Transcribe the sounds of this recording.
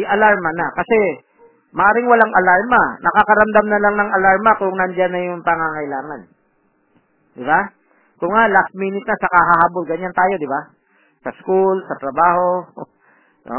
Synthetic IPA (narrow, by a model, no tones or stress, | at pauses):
ʔɐlaɹmɐnɐkɐsɛ | mɐʔaːɾɪŋwɐlaŋʔɐlaɹmɐnɐkakɐɾɐmd̪amnɐlaŋnɐŋɐlaɹmɐkʊŋnɐnd͡ʒanːɐjʊŋpɐŋaŋɐɪlaːŋɐn | d̪ɪba | kʊŋːalast̪̚miːnɪt̪̚nɐsɐkaɦaɦaːbolɡɐɲant̪aːjo̞d̪ɪba | sɐskulsɐt̪ɾɐbaːho̞ | o̰